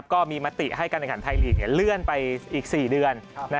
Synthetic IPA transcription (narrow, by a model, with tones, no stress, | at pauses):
p̚kɔː˥˩miː˧ma˦˥t̪ḭ˨˩ʔha˥˩jkaː˧nʔŋʰkaː˩˦nt̪ʰa˧jli˨˩ŋ̚ni˥˩lɯ˥˩ənpa˧jʔiː˨˩k̚siː˨˩dɯ˧ənna˦˥